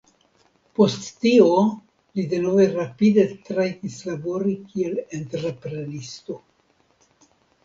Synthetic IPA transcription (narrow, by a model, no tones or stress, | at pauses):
po̞stːio | lide̞no̞veɾapide̞t̪ɾaɡislabo̞ɾikielent̪eɾpɾenisto̞